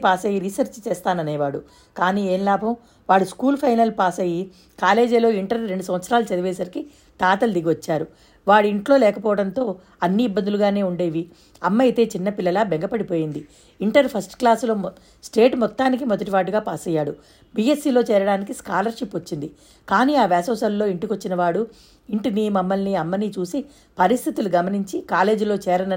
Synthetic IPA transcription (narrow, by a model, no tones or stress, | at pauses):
paːsɐjiɾisɐɾt͡ʃt͡ʃɛːst̪aːnɐneːʋaːɽu | kaːniːeːnlaːbɐm | ʋaːɽuskuːlpʰɐjnɐlpaːsɐji | kaːle̞ːd͡ʒɐlo̞ːiɳʈɐɾɾe̞ɳɖusɐmʋɐt̪sɐɾaːlɐt͡ʃɐd̪ɐʋɛːsɐɾki | t̪aːt̪ɐld̪iɡiʋɐt͡ʃːaːɾu | ʋaːɽiɳʈlo̞ːlɛːkɐpɔːʋɐɽɐnt̪o̞ː | ɐnːiːbːɐnd̪uluɡaːne̞ːuɳɖe̞ːʋi | ɐmːɐjt̪e̞ːt͡ʃinːɐpilːɐlaːbɛŋɡɐpɐɽipo̞ːjind̪i | iɳʈɐɾpʰɐsʈklaːslo̞ː | sʈe̞ːʈmɔt̪ːaːnik̬imɔd̪ɐʈiʋaːʈuɡaːpaːsɐjːaːɽu | biːe̞siːlo̞ːt͡ʃɛːɾɐɽaːnikiskaːlɐɾʃipːɐt͡ʃːind̪i | kaːniːaːʋɛːsɐʋsɐlːo̞ːiɳʈikot͡ʃːinɐʋaːɽu | iɳʈinimɐmːɐlniɐmːɐnit͡ʃuːsi | pɐɾist̪ʰit̪uluɡɐmɐniɲt͡ʃikaːle̞ːd͡ʒlo̞ːt͡ʃɛːɾɐnɐ